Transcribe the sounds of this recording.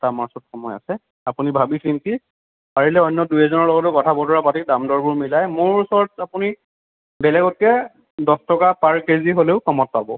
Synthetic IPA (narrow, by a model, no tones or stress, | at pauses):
tamaɹsɔtxɔmɔja̰sɛ | apunibʱabisɹinti | paɹilɛɔjnːɔdujɛzɔnɔɹlɔɡɔt̬ʊkɔtʰabɔtɔɹapatidamdɔɹbʊɹmilajmʊɹusɔɹɔtapuni | bɛlɛɡɔt̚kɛ | dɔstɔkapaɹkeɹziɦoleʊkɔmɔt̚pabɔ